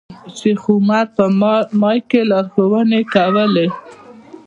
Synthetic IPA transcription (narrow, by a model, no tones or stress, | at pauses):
sɪxumaɾ̚pəmɑjkelɑɾxowənekawəle